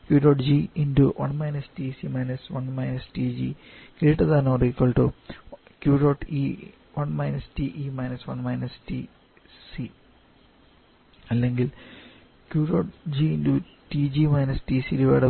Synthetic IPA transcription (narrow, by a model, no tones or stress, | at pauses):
kjuːɖoːʈd͡ʑiinduʋʔɐ̰ɳmɐjnɐstisimɐjnɐsʋɐnmɐjnɐstid͡ʑi | kiːʈːɐðaːnorikːɐɭʈu | kjuːɖoːʈi | ʋɐɳmɐjnɐstiʔimɐjnɐsʋɐɳmɐjnɐsti | si | ɐlːeŋɡil | kjuːɖoːʈd͡ʑiindu | tid͡ʑimɐjnɐstisiliʋɐ̰ːɽɐ